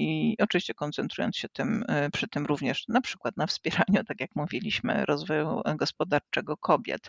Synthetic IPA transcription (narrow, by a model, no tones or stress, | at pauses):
iɔt͡ʂɨvʲiɕt͡ɕɛkɔnt̪sɛnt̪ɾujɔ̰nsɕɛt̪ɘmpʂɘt̪ɘmɾuvɲɛʂnapʂɘkwat̪nafspʲjɛɾaɲut̪akʲjakmuvʲilʲiɕmɘ̰ɾʔɔzvɔjṵɡɔspɔd̪aɾt͡ʂɛɡɔkʰɔbʲjɛ̰t̪